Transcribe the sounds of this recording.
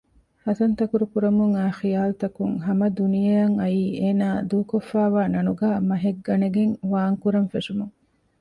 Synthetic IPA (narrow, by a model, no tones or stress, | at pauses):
hɐt̪ɐnt̪ɐkuɾukuɾɐmuŋaːxijaːlut̪ɐkuŋɦɐmɐd̪unijɐjɐŋɐjiːʔeːnaːd̪uːkofːæːʋaːnɐnuɡaːmɐɦeɡːɐneɡeŋʋaːŋkuɾɐnfeʂumuŋ